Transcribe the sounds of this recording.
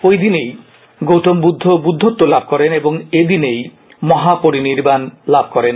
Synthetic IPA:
ojd̪inej | ɡowʈɔmbud̪ʱːobud̪ʱːot̪ːolabʱɔkɔɾenebɔŋed̪inej | mɔɦapoɾiniɾbanlabʱkɔɾen

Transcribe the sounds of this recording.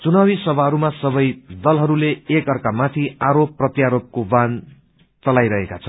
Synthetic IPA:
t͡sunawisʌbʱaɦʌɾumasʌbʌjd̪ʌlɦʌɾuleːkʌrkamat̪ʰiaɾopːrʌt̪jaɾop̚koban | t͡sʌlajɾʌɦekat͡sʰʌn

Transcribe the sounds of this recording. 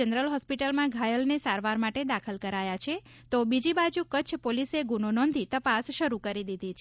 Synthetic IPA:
ənɾəlɦɔspiʈəlmãɡʱajəlnesaɾʋaɾmaʈed̪akʰəlkəɾajat͡ʃʰe | t̪obid͡ʒibad͡ʒukət͡ʃʰpoliseɡunonɔ̃nd̪ʱit̪əpasʃəɾukəɾid̪id̪ʱit͡ʃʰe

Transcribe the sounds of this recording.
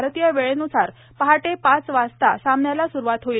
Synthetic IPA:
ɾt̪ijaʋeɭenusaɾ | pəɦaʈepat͡sʋast̪asamɳjalasuɾuʋat̪ɦoiːl

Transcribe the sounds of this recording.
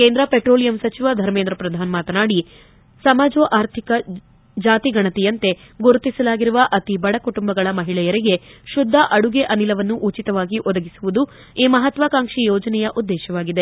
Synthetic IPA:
ke̞ːnd̪ɾɐpeʈɾoːlijɐmsɐt͡ʃiʋɐd̪ʱɐɾmeːnd̪ɾɐpɾɐd̪ʱaːnmaːt̪ɐnaːɽi | sɐmaːd͡ʒoʔaːɾt̪ʰikɐ | d͡ʒaːt̪iɡɐɳɐt̪ɛjɐnt̪e̞ | ɡoɾut̪isɐlaːɡiɾuʋɐʔɐt̪ibɐɽɐkuʈumbɐɡɐɭɐmɐɦiɭɛjɐɾiɡe̞ʃud̪ʱːɐʔɐɽuɡeʔɐnilɐʋɐnːuʔut͡ʃit̪ɐʋaːɡiʔɔd̪ɐɡisuʋud̪u | iːmɐɦɐt̪ʋɐkaːŋʂijɔːd͡ʒɐnɛjɐʔud̪ːɛːʃɐʋaːɡid̪e̞

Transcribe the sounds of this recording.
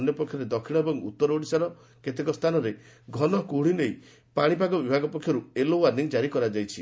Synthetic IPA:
njɔpɔkʰjɔɾed̪ɔkʰiɭɔebɔŋṵt̪ːɔɾoɽisaɾɔ | ket̪ekɔst̪ʰanɔɾe | ɡʱɔnɔkuɽ̤inej | paɽ̃ipaɡɔbibʱaɡɔpɔkʰːjɔɾuelowaɾniŋd͡ʒaɾikɔɾad͡ʒajt͡ʃʰi

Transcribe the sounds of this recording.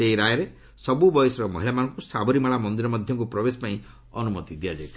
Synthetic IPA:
eiɾajɔɾe | sɔbubɔjɔsɔɾɔmɔ̰ɦilamanɔ̃ŋkusabɔɾimaɭamɔnd̪iɾɔmɔd̪ʱjɔŋk̬upɾɔbesɔ̥paĩ | ɔnumɔt̪id̪ijad͡ʒajt̪ʰi

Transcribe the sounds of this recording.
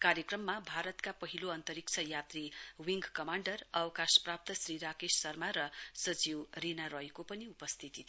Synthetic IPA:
kaɾjʌkrʌmːabʱaɾʌt̪kapʌɦiloʌnt̪ʌɾik̚t͡sʰʌjat̪riwiŋɡkʌmaɳɖʌrʌwʌkasprap̚t̪ʌsriɾakessʌrmaɾʌsʌd͡ziwrinaɾʌjkopʌniupʌst̪ʰit̪it̪ʰ

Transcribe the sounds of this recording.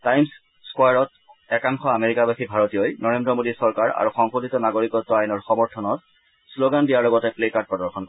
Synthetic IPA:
tajms | skwajaɹɔt | ɛkaŋxɔameɹikabaxibʱaɹɔtijojnɔɹendɹɔmodisɔɹkaɹa̰ɹuxɔŋxoditɔnaɡoɹikɔtːɔajnɔɹxɔmɔɹtʰɔnɔt̚ | sloɡandijaɹlɔɡɔtɛplekaɹt̚pɹɔdɔɹxʰɔnkɔ

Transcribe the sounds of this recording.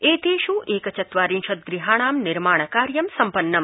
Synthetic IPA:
eːt̪eːʃũʔʔeːkɐt͡ʃɐt̪ʋaːɾĩnʃɐt̪̚ɡɾiɦaːɳ̃aːmnɪɾmaːɳ̃əkaːɾjɐmsɐmpənːɐm

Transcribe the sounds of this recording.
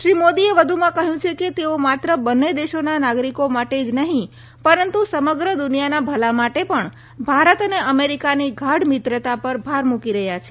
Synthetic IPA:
ʃɾimod̪ieʋəd̪ʱumãkəɦjũt͡ʃʰeket̪eomat̪ɾəbənːed̪eʃonanaɡɾikomaʈed͡ʒnəɦĩ | pəɾənt̪usəməɡɾəd̪ʊnijanabʱəlamaʈepəɳ | bʱaɾət̪əneəmeɾikaniɡʱaɽmɪt̪ɾət̪apəɾbʱaɾmukiɾəɦjat͡ʃʰe

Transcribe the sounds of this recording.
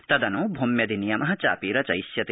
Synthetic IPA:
t̪ɐd̪ɐnũbʱumjɐd̪inijɐmɐɦɐt͡ʃa̰ːpiɾɐt͡ʃɐjsjɐt̪i

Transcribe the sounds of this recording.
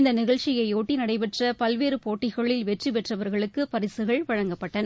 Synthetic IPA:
ɪnd̪ɐnɪɣɐɭt͡ʃɪjɐɪoːʈːinɐɽɐɪpɛʈrɐpɐlʋeːɾɯpoːʈːɪɣɐɭɪlʋɛʈripɛʈrɐʋɐɾɣɐɭɯkːɯpɐɾɪsɯɣɐɭʋɐɻɐŋɡɐpːɐʈːɐnɐ

